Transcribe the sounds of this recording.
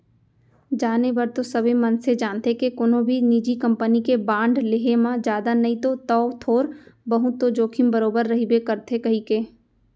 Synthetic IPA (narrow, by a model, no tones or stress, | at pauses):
d͡ʒaːnebɐɾt̪osɐbʱemɐnsed͡ʒaːnt̪ekekʊnõbʱiniːd͡ʒikɐ̃mpənikebãːɳɖleɦemãd͡ʒjaːd̪anɐĩt̪ot̪ɔːt̪ʰoːɾbɐɦut̪od͡ʒoːkʰɪmbəɾoːbəɾːɐɦibekɐɾt̪ʰekɐɦikeː